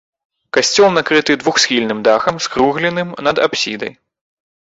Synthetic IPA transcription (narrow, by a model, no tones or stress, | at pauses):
kasʲt͡sʲɔlˠnakɾɨt̪ɨd̪vuxsʲxʲilʲnɨmd̪axɐmskɾuɣlʲɛnɨmnɐd̪a̰psʲid̪ɐ̰j